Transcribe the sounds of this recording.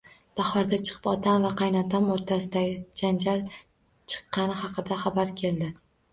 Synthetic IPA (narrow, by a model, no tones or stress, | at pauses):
b̥ɑχɒɾd̪at͡ʃʰɨ̥qʰɨ̥pɒt̪ʰamvaqʰɑjnɒt̪ʰamoɾt̪ʰasɪd̪aɡʲɪd͡ʒand͡ʒal | t͡ʃʰɨ̥qːɑnɪhɑqʰɨd̪aχɑbaɾkʲʰe̞ld̪ɪ